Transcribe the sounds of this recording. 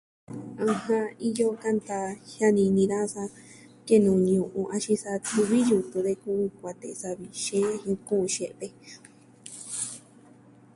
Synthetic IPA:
ã˧hã˧i˧jo˧kã˧nt̪a˧hja˦˧nĩ˧nĩ˧ɾa˦sa˧ | ke˦nũː˨ɲũ˧˨ʔũ˧ʔa˧ʃĩ˧sa˧t̪u˧βi˦ju˧t̪ũ˧ðe˧kũ˦˧kʷa˧t̪e˨˧sa˧βi˨ʃẽ˦˧hĩ˧kũ˦ũ˧ʃe˧ʔt̪e˧

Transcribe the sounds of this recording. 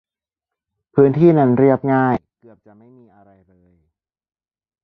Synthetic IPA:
pʰɯː˦˥nt̪ʰiː˥˩na˦˥nɾi˥˩əp̚ŋaː˥˩jkɯ˨˩əp̚t͡ɕa˨˩ʔma˥˩jmiː˧ʔa˧ɾa˧jlɤː˧j

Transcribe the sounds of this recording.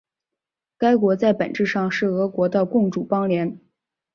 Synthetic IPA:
ka˥ɪkwɔ˧˥t͡sa˥˩ɪpə˨˩nʈ͡ʂɻ̩˥˧ʂɑ˥˧ŋʂɻ̩˥˩ɤ˧˥kwɔ˧˥t̪ə˧kʊ˥˧ŋʈ͡ʂu˨˩pɑ˥ŋljɛ˧˥n

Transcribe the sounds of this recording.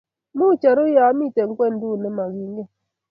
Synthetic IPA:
mʊ˦˨t͡ʃa˨ɾo˦ja˦a˦m˦i˦˨te˨ŋ̩˨˦kʷe˦n̩˨dʊ˦˨ne˦ma˨ɣi˨ŋ˦ɡe˦

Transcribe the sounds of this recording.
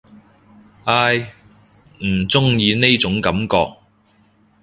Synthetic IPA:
ʔaː˧j | m̩˨˩t͡sʊ˥ŋjiː˨˧ne˥jt͡sʊ˨˥ŋkɐ˨˥mkɔː˧k̚

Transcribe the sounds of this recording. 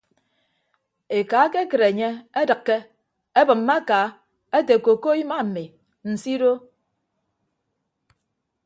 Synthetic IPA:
e˨ka˨˦ke˦kɨ˨ɾe˨ɲe˦e˦dɨ˨kːe˦ | e˦bɨ˨m̩ː˦a˦ka˨˦ | e˦te˨ko˨ko˦i˦ma˦m̩˨mi˨ | n̩˨si˦ɾo˦

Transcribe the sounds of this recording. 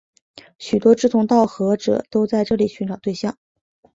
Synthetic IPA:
ɕy˨˩t̪wɔ˥ʈ͡ʂɻ̩˥˩t̪ʰʊ˧˥ŋt̪ɑ˥˩ʊxɤ˧˥ʈ͡ʂɤ̰˨˩t̪o˥ʊt͡sa˥˧ɪʈ͡ʂɤ˥˩li˨˩ɕy˧˥nʈ͡ʂɑ˨˩ʊt̪we˥˧ɪɕjɑ˥˩ŋ

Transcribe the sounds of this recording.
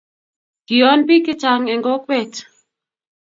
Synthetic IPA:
ki˨ɔ˨˦nbi˦kɪ˦t͡ʃa˨ŋɛ˨ŋɡɔ˦k̚wɛ˦˨t

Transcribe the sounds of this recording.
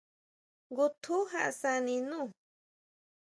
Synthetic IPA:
ɡu˧t̪ʰu˦ɦa˧ʔsa˧nĩ˧nũ˦˨

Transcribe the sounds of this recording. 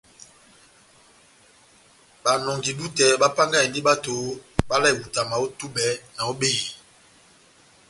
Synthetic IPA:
ɓa˨nɔ˨ŋɡi˨du˦tɛ˨ɓa˦pa˦ŋɡa˦˨i˨ndi˦ɓa˦to˨˦ɓa˦la˦˨i˨wu˨ta˨ma˨o˦tu˦bɛ˨˦na˨o˦ɓe˦˨i˨

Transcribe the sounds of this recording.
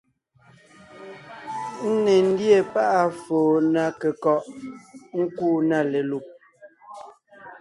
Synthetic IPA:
n̩˦ne˨n̩˦dje˦˨pa˦ʔa˦foː˨na˨kɛ˨kɔ˨ʔ | ŋ̩˦kuː˦˨na˦˨le˨lu˨p̚

